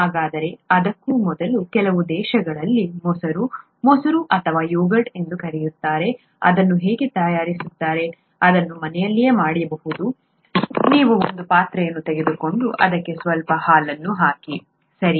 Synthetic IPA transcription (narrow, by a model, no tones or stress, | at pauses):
ɦaːɡaːd̪ɐɾe̞ɐd̪ɐkːuːmɔd̪ɐlukɛlɐʋud̪ɛːʃɐɡɐɭɐlːimɔsɐɾu | mɔsɐɾuʔɐt̪ʰɐʋaːjuːɡɐɖe̞nd̪ukɐɾejut̪ːaːɾe̞ | ɐ̰d̪ɐnːuɦeːɡet̪ɐjaːɾisut̪ːaːɾe̞ | ɐd̪ɐnːumɐnɛjɐlːije̞ːmaːɽijɐbɐhud̪u | niːʋuo̰nd̪upaːt̪ɾɐjɐnːut̪ɛɡed̪uko̞ɳɖuʔɐd̪ɐkːe̞sʋɐlpɐhaːlɐnːuɦaːki | sɐɾi